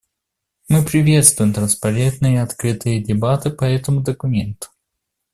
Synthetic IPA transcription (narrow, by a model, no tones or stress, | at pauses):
mɨpɾʲɪvʲe̞t̪st̪vʊjɪmt̪ɾənspɐɾʲet̪nɨjəɐt̪kɾɨt̪ɨjədʲɪbat̪ɨpɐɛt̪əmʊd̪əkʊmʲent̪ʊ̥